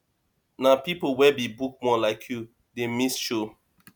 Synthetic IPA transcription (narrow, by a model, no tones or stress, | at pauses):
napipowɛbibuk̚mɔlaɪkʰju | demisʃo